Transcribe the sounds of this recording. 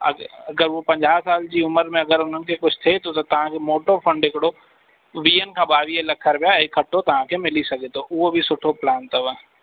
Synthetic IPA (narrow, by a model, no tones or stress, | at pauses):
ɐɐɡəɾʋopɐ̃ɲd͡ʒaːsaːld͡ʒiʊməɾmẽɐɡəɾʊnɦənkekʊt͡ʃʰt̪ʰet̪ot̪ot̪ɐɦãkemoːʈoɾpʰə̃ɳɖɪkɽo | ʋiːənkabaːʋijelɐkʰːəɾbejaekʰːɐʈːot̪ɐɦãkemɪlisɐket̪oʔʊobʱisʊʈʰoplaːnt̪ɐʋə